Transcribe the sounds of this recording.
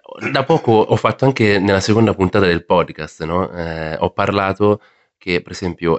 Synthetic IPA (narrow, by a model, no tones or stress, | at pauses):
ɔd̪apːɔːkoʔɔfːat̪ːoaŋk̟enelːasekond̪apunt̪aːt̪ad̪elpɔd̪kast̪nɔɔpːarlaːt̪o | k̟epːeɾezɛmpjo